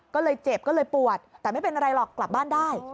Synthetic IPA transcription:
kɔː˥˩lɤː˧jt͡ɕe˨˩p̚kɔː˥˩lɤː˧jpu˨˩ət̪̚ːɛː˨˩ma˥˩jpe˧nʔa˧ɾa˧jlɔː˨˩kːla˨˩p̚baː˥˩ndaː˥˩j

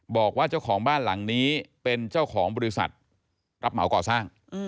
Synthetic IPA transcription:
bɔː˨˩k̚waː˥˩t͡ɕa˥˩wkʰɔː˩˦ŋbaː˥˩nla˩˦ŋniː˦˥pe˧nt͡ɕaː˥˩wkʰɔː˩˦ŋbɔː˧i˦˥sa̰˨˩t̪̚ | ɾa˦˥p̚ma˨˩˦wkɔː˨˩saː˥˩ŋ˧

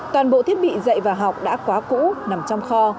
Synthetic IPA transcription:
t̪waː˨˩nɓo̰˧˨t̪ʰi˦˥ət̚ɓḭ˧˨zə̰˧˨jvaː˨˩ɦa˨˩wk͡p̚ɗa̰ː˧˥kwaː˨˦kṵ˧˥na˨˩mt͡ɕɔ˧wŋ͡mxɔ˧

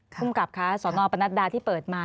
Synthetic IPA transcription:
pʰu˥˩mka˨˩p̚kʰa˦˥sɔː˩˦nɔː˧pa˧na˦˥t̪̚daː˧t̪ʰiː˥˩pɤː˨˩t̪̚maː˧

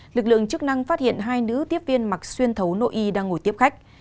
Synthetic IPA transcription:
lɨ˨˩k̚lɨ̰˧˨əŋt͡ɕɨ˦˥k̚na˧ŋfaː˦˥t̚hḭ˧˨ənɦaː˧jnɨ̰˧˥t̪i˦˥əp̚vi˧ənma˨˩k̚swi˧ənt̪ʰə˨˦wno̰˧˨ʔi˧ɗaː˧ŋːo˧˩jt̪i˦˥əp̚xa˦˥k̟̚

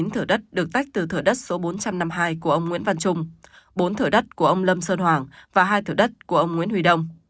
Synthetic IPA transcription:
i˨˦nt̪ʰɨ˧˩əɗə˦˥t̚ɗɨ˨˩ək̚t̪a˦˥jk̚t̪ɨ˨˩t̪ʰɨː˧˩ɗə˦˥t̚so˨˦ɓo˨˦nt͡ɕa˧mna˧mɦaː˧jku˧˩əʔə˧wŋ͡mŋḭ˧˥ənva˧nt͡ɕʊ˧ŋ͡m | ɓo˨˦nt̪ʰɨ˧˩əɗə˦˥t̚ku˧˩əʔə˧wŋ͡mlə˧msəː˧nɦwaː˨˩ŋvaː˨˩ɦaː˧jt̪ʰɨ˧˩ɗə˦˥t̚ku˧˩əʔə˧wŋ͡mŋwi˧˦˥ənhwi˧ɗə˧wŋ͡m

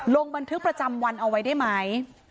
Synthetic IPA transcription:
lo˧ŋba˧nt̪ʰɯ˦˥k̚pɾa˧t͡ɕa˧mwa˧nʔa˧wa˦˥jdaː˥˩jma˦˥j

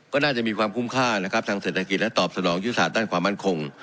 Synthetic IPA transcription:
kɔː˥˩naː˥˩t͡ɕa˨˩miː˧kwaː˧mkʰu˥˩mkʰaː˥˩na˦˥kʰa˦˥t̪ʰaː˧ŋseː˨˩t̪ʰːa˧ki˨˩t̪̚lɛ˦˥t̪ɔː˨˩p̚sa˧nɔː˩˦ŋjuː˦˥a˧saː˨˩t̪̚daː˥˩nkwaː˧mːa˥˩nkʰo˧ŋ

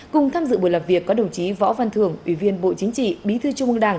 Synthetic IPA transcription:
kʊ˨˩ŋ͡mt̪ʰaː˧mzɨ̰˧˨ɓo˧˨jla˨˩p̚vi˨˩əkːɔ˨˦ɗə˨˩wŋ͡mt͡ɕi˨˦vɔ̰˧˥va˧˩nt̪ʰɨ˧˩əŋʔwi˧˩vi˧ənɓo̰˧˨t͡ɕï˨˦ŋ̟t͡ɕḭ˧˨ɓi˨˦t̪ʰɨ˧t͡ɕʊ˧ŋ͡mʔɨ˧ŋɗaː˧˩ŋ

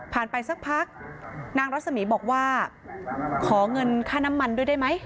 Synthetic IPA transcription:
pʰaː˨˩npa˧jsa˦˥k̚pʰa˦˥k̚naː˧ŋɾa˦˥t̪̚sa˧miː˩˦bɔː˨˩k̚waː˥˩ | kʰɔː˩˦ŋɤ˧nkʰaː˥˩na˦˥mːa˧ndu˥˩jda˥˩jma˦˥j

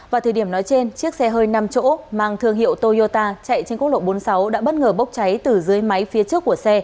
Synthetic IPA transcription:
vaː˨˩t̪ʰəː˧˩jɗi˧˩ənɔ˨˦jt͡ɕe˧nt͡ɕɨ˦˥ək̚sɛ˧ɦəː˧jna˧mt͡ɕo̰˧˥maː˨˩ŋt̪ʰɨ˧əŋhḭ˧˨əwt̪o˧zo˧t̪aː˧t͡ɕa̰˧˨jt͡ɕe˧nkk̚lo̰˧˨ɓo˨˦nsa˨˦wɗa̰ː˧˥ɓə˦˥t̚ŋəː˧˩ɓə˦˥wk͡p̚t͡ɕa˨˦jt̪ɨ˨˩zɨ˨˦əjma˨˦jfi˨˦ət͡ɕɨ˦˥əkːu˧˩əsɛ˧

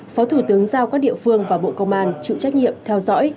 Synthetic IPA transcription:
fɔ˨˦t̪ʰu˧˩t̪ɨ˨˦əŋzaː˧wkaː˦˥k̚ɗḭ˧˨əfɨ˧əŋvaː˨˩ɓo̰˧˨kə˧wŋ͡mʔaː˧nt͡ɕḭ˧˨t͡ɕa˦˥k̚ɲḭ˧˨əmt̪ʰɛ˧wzɔ̰˧˥j

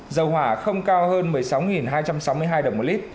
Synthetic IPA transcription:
zə˨˩wɦwaː˧˩xə˧wŋ͡mkaː˧whəː˧nmɨ˨˩əjsa˨˦wŋi˨˩nɦaː˧jt͡ɕa˧msa˨˦wmɨ˧əjɦaː˧jɗə˨˩ŋ͡mmo˨˩li˦˥t̚

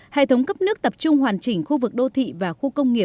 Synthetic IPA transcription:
hḛ˧˨t̪ʰə˨˦wŋ͡mkə˦˥p̚nɨ˦˥ək̚t̪ə˨˩p̚t͡ɕʊ˧ŋ͡mhwaː˨˩nt͡ɕï˧˩ŋ̟xu˧vɨ˨˩k̚ɗo˧t̪ʰḭ˧˨vaː˨˩xu˧kə˧wŋ͡mŋi˨˩ə

